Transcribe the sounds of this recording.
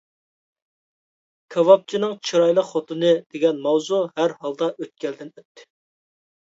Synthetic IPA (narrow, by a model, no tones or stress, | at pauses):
kʲʰɑwɑp̚t͡ʃʰinɨŋt͡ʃʰiɾɑjlˠəqχot̪ʰɨnɨd̪̥eɡʲɛnmɑwzuhæɾhɑlˠd̪ɑʔøt̪̚kʲɛld̪ɪnøt̪ʰːɪ̥